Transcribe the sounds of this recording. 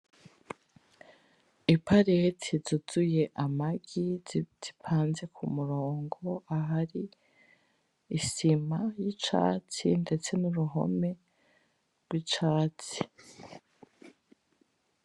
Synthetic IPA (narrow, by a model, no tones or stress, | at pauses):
ipʰaɾetʰizuzuje̞ʔamaɡ̥iz̥ipʰaːnze̞kʰumuɾo̞ːŋɡo̞aɦaɾi | simajit͡ʃa̰ːt͡sḭnde̞t͡se̞nuɾuɦo̞̰me̞ | ɾɡwit͡ʃaːt͡si̥